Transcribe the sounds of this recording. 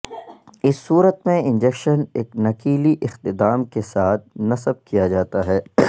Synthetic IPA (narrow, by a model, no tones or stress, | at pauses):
ɪsːuːɾət̪mẽɪ̃nd͡ʒɛkʃəneːknɐkiːliʔɪxt̪ɪd̪aːmkesaːt̪̚ʰnɐsəb̚kijad͡ʒaːt̪aɦɛː